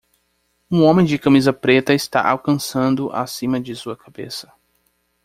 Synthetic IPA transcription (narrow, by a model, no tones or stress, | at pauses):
ũõmẽj̃d͡ʒɪkɐmizɐpɾet̪ɐɪst̪a̰ʔawkɐ̃sɐ̃nd̪ʊʔa̰sĩmɐd͡ʒɪsuɐkʰabḛsɐ̥